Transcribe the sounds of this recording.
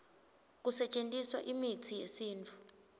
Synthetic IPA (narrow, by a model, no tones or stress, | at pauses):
k̬usɛt͡ʃʼentʼiswaʔimit͡sʰijesiːnt͡fʰu̥